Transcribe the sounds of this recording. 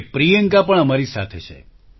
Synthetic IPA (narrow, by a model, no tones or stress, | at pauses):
pɾijəŋkapəɳəmaɾisa̰t̪ʰet͡ʃʰḛ